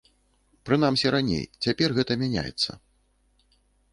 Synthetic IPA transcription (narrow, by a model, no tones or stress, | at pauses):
pɾɨn̪amsʲiɾanʲḛjt͡sʲapʲɛrɣɛt̪ɐmʲanʲa̰jɛ̰t̪sːɐ̰